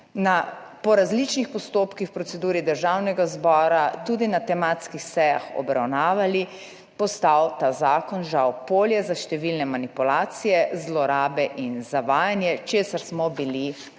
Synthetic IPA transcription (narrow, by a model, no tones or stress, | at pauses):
na | pɔɾazlit͡ʃnixpɔst̪oːpkixwpɾɔt̪sɛd̪uːɾid̪əɾʒawnɛɡazbɔːɾat̪uːd̪inat̪ɛmaːt̪skixsɛja̰xɔ̰bɾa̰wnaːʋali | pɔst̪awt̪aːzaːkɔnʒawpoːljɛzaʃt̪ɛʋilnɛmanipulaːt̪sijɛzlɔɾaːbɛʔinzaʋaːjanjɛt͡ʃeːsaɾsmɔbili